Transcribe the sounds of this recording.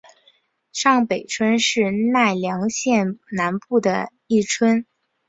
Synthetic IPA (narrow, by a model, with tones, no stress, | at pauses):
ʂɑ˥˩ŋpe˨˩ɪʈ͡ʂʰwə˥nʂɻ̩˥˧na˥˩ɪljɑ˧˥ŋɕjɛ˥˧nna˧˥npu˥˩d̪ə˩ | i˥˩ʈ͡ʂʰwə˥n